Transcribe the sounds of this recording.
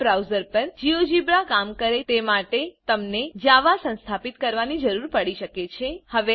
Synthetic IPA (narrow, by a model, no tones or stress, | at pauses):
bɾawzəɾpəɾd͡ʒiod͡ʒibɾakamkəɾet̪emaʈet̪əmned͡ʒaʋasə̃ñst̪ʰapit̪kəɾʋanid͡ʒəɾuɾpəɽiʃəket͡ʃʰehəʋe